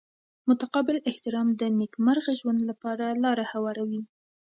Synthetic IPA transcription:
mʊt̪aqɑbɪlɪht̪ɪɾɑmd̪ənekmaɾɣaʒwand̪lapɑɾalɑɾahawɑɾawi

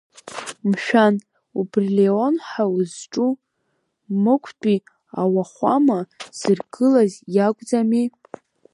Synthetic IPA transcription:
mʃᶣan | ubrleo̞nħawuzʈ͡ʂʼu | mɨkʷʰpʼi | awaχʷamaz̥ɨrɡɨlazjakʷʼd͡zami

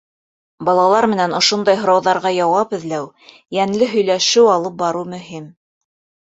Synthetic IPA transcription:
bɑlˠɑlˠɑɾmɘ̆nænŏʃond̪ɑjɦŏɾɑwðɑɾʁɑjɑwɑpɘ̆ðlæw | jæŋlɘɦɵ̆jlæʃɘwɑlˠɤp̚bɑɾɤmɵ̆ɦim

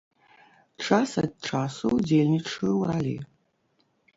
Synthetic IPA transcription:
ʈ͡ʂʰasad̚ʈ͡ʂʰasowd͡zelʲnʲiʈ͡ʂʰɨwralʲḭ

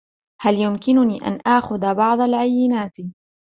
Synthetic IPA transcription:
haljʊmkɪnʊniːʔa̰nʔaʔxʊðabɑʕd̪ˤalʕajːɪnaːt̪

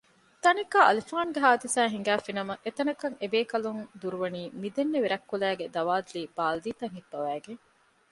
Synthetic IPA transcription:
t̪ɐnikaʔɐlifaːnɡeɦaːd̪isæːɦiŋ̆ɡæːfinɐmɐʔet̪ɐnɐkɐŋebeːkɐlund̪uɾuʋɐniːmid̪enːeʋiɾɐkːulæːɡed̪ɐʋaːd̪uliːb̥aːld̪iːt̪ɐŋɦibːɐʋæːɡeŋ

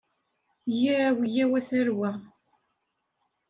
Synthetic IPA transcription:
jiɾæwjæwæθæɾwæ

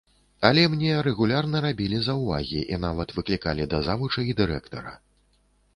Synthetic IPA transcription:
ɐlʲɛmnʲɛɾɛɣulʲarnɐɾabʲilʲizɐwva̰ɣʲiʔinavɐt̪vɨklʲikalʲid̪ɐzavut͡ʂɐid̪ɨɾɛkt̪ɐ̰ɾɐ̰

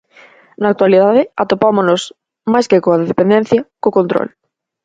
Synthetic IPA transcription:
naːk̚t̪walið̞aðɪat̪opamonos | majskekoaðeðepend̪en̟θjɐkokont̪ɾo̰l

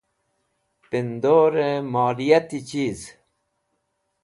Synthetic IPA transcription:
pind̪oːɾemaːlijɐt̪it͡ɕiːz

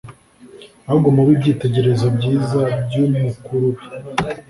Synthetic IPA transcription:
auɡomuβibɟiːte̞ɟe̞ɾe̞zobɟiːzabɟummukuɾuβi

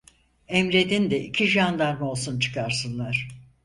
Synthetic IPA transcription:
ɛmɾe̞d̪ind̪ɛʔicʰiʒand̪aɾmo̞lˠsunt͡ʃʰɯ̥kʰaɾsɯnlˠaɾ̥

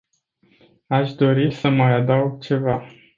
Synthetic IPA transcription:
aʃd̪o̞ɾisəmajad̪awɡ̚t͡ʃe̞va

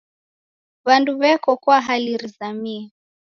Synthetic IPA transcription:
βanduβɛkɔkwaɦaliɾizamiɛ

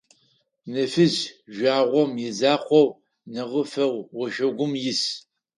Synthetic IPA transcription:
nɐfɨzʒʷᶣaːʁʷɔmjɪzaːχʷɔw | nɐʁəfɐwːɔʒɐɡʷʊmjɪs

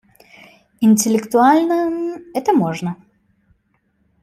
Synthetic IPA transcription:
ɪnʲtʲɪlʲɪkt̪ʊalʲnənɛt̪əmoʐnə

